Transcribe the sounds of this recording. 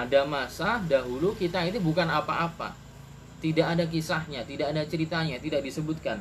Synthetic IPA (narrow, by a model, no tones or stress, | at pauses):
adamasadaɦulukit̪ait̪ubukanapaʔːpa̰ | t̪idaʔadak̬isahɲat̪idaʔːdat͡ʃəɾit̪aɲat̪idaʔ̚disəbʊt̪̚kan